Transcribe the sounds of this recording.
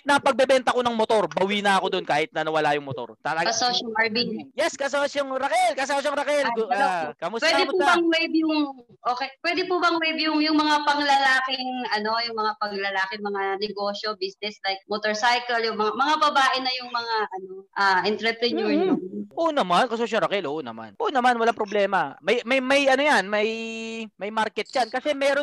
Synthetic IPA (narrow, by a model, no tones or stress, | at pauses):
nɐpɐɡ̚bɛbɛnt̪ɐko̞nɐŋmot̪o̞ɾbɐwiːnɐɐko̞d̪onkaːhɪt̪nɐnɐwɐlajʊŋmot̪o̞̰ɾt̪ɐlɐɐsoʃɐlɐɹbinjɛskɐs̬osjoŋɾɐkɛlkɐs̬osjoŋɾɐkɛlɡkɐmʊswɛd̪ɛmuɐŋwɛjbjʊŋ | ʔoːkɛpwɛd̪ɪpubɐŋwɛjbjʊŋjʊŋmɐŋapɐŋlɐlaːkɪŋɐno̞jʊŋmɐŋapɐŋlɐlaːkɪŋmɐŋanɛɡoːʃobisnɛslajk̚mot̪oɹsajkɐljʊŋmɐŋamɐŋabɐbaːʔɪnɐjʊŋmɐŋaʔɐnoʔaːʔɛnt̪ɾɛpɾɛnuɹnɐʔoːnɐmankɐsos̬onɾɐkɛlʔoːʔnɐma̰nʔoːnɐmanwɐlaŋpɾoblɛːmɐmɐjmɐjmɐjɐnojanmɐjmɐjmaɾkɛt̪̚t͡ʃankɐsɛmɛːɾo